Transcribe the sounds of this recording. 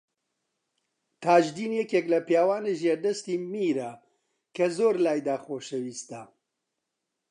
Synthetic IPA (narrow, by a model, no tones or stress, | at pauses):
t̪ʰaːʒd̪iːnjɛkeːklɐpjaːwaːneʒeɾd̪ɐst̪imiɾɐ | kɐzoːɾlaːjd̪aːxoːʃɐwiːst̪a